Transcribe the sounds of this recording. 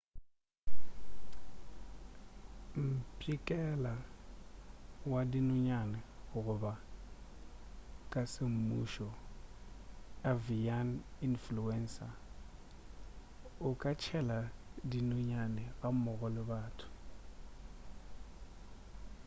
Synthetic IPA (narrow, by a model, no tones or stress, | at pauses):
m̩pʼikʼɛla | wadinʊɲanɪɣʊɣʊba | kʼasɪm̩muʃɔ | avianinfluɛnsa | ʊkʼat͡ʃʰɛladinʊɲanɪɣamɔɣɔlɪbaːtʰʊ̥